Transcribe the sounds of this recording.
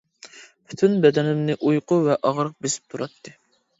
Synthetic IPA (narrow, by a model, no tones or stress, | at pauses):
pʰy̥t̪ʰynbɛd̪ɛnɪmnɪʔujqʊvɛʔɑʁɾəq̚besɪ̥p̚t̪ʰuɾɑt̪ːɨ